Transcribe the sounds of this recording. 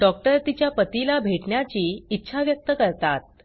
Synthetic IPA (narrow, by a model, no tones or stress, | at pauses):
ɖɔkʈəɾt̪it͡ɕjapət̪ilabʱeʈɳjat͡ɕiːitːɕʰaʋjək̚t̪əkəɾt̪at̪̚